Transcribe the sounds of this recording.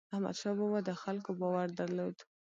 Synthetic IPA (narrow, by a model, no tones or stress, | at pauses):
ahma̰d̪ʃɑbowad̪əxalkobɑwaɾd̪aɾlod̪